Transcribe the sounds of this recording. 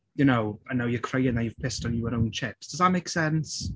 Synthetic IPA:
jənowãnːawjəkʰɹ̥eɪɪ̃ŋajuv̥pʰɪstn̩juəɾõʊ̃nt͡ʃʰɪpsd̥ʌzðətmeɪksɛns

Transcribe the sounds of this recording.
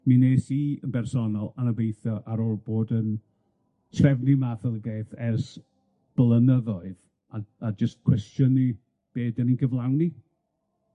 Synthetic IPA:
mineːsiənbɛrsɔnɔlˠanəvejθjɔʔaɾɔlˠboːdən | srɛvnimaθəlˠbeːθɛrs | b̥lˠənəðɔɨð | aad͡ʒəstkʰw̥ɛstjənːi | b̥eːdəninɡəvlˠawni

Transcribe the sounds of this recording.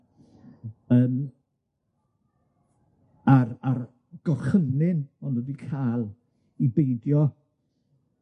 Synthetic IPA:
əːm | arar | ɡ̥ɔrχənɪnɔnədikʰaːlˠ | ibejdjɔ

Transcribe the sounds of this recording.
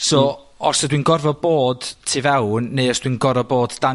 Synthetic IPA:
soː | ɔsɔdwiːnɡɔrvɔboːd̥tʰiːvɛwnːeɨɔsd̥wiːnɡɔrvɔboːdd̥a

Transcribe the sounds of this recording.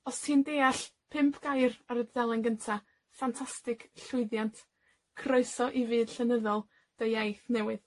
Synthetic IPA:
ɔstʰiːndeːaɬ | pʰɪmpʰɡ̥ajraɾəddɛlˠɪnɡəntʰa | fantʰastɨkɬʊɨðjantʰ | kʰroɨsɔʔivɨːd̥ɬənəðɔlˠ | d̥əajθnɛwɨð

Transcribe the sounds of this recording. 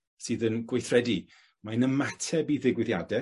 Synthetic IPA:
sɨːðənɡwejθrɛdi | manəmatʰɛbiðɪɡwɪðjadɛ

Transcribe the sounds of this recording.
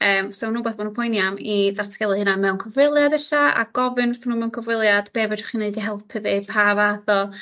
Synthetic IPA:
əːmsonuːbaθb̥ɔnupʰɔjnjamiðatʰɡ̥ɛlˠɨhɨnamɛwnkʰɔvwɪlˠjadɛɬaa̰ɡ̥ɔvɨnθnːuːmɛwnkʰɔvrɪlˠjad̥b̥eːbɛdḁχineɨdiɦɛlˠpʰɨðepʰaːvaðɔ

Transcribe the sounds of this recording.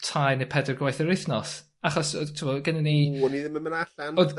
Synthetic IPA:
tʰajnepʰɛdərɡwajθəɾɪθnɔs | aχɔsɔtʰumɔɡɛnəniniðɪməmənaɬanɔ

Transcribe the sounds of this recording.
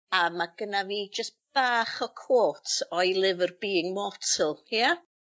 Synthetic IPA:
amaɡ̥ənaviːd͡ʒəstb̥aːχɔkʰoːtʰɔjlˠɪvərbiːɪŋmɔtʰəlˠja

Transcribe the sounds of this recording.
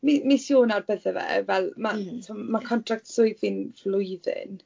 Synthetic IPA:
mimisjoːnarbəðəvɛ̰vɛlˠmatʰumakʰɔntʰrak̚tsʊɨðinvlˠʊjðɪ̰n

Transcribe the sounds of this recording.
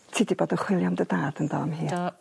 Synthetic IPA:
tʰiːdiboːdənχwɪlˠjɔmdədaːd̥əndɔmhiː

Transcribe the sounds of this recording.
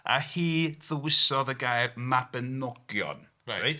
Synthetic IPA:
a̰hiːðəwɪsɔðəɡajvmabənɔɡ̥jɔ̰n | aaj

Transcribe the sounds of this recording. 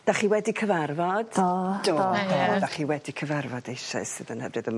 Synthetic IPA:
d̥aχiwɛdikʰəvarvɔd̥d̥oodaχiwɛdikʰəvarvɔdejʃa̰sɨːðənhɛvɨðəm

